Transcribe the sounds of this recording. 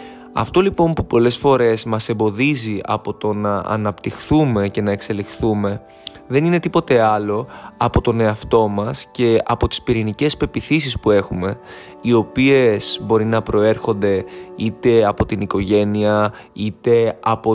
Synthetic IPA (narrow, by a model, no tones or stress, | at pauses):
ɐ̰ft̪o̞lipo̞mpupo̞le̞sfo̞ɾe̞zmɐse̞mbo̞ðiziɐ̰po̞t̪o̞nɐɐ̰nɐpt̪ixθume̞ce̞nɐekse̞lixθume̞ | ðe̞nine̞t̪ipo̞t̪e̞ɐlo̞ɐpo̞t̪o̞ne̞ɐft̪o̞mɐsce̞ɐ̰po̞t̪i̥spiɾinice̞spe̞piθis̬ispue̞xume̞ | io̞pie̞z̥bo̞ɾinɐpɾo̞e̞ɾxo̞nd̪e̞it̪e̞ɐpo̞t̪iniko̞ʝe̞niɐ | it̪e̞ɐpo